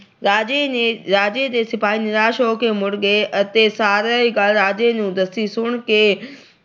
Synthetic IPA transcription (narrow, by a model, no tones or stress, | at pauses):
ɾaːd͡ʑeɾaːd͡ʑed̪eːsɪpaːɦinɪɾaːʃoːkʰeːmʊɽɡeʔɐt̪esaːɾəiɡaːlɾaːd͡ʑenũd̪ɐst̪isʊɽ̃keː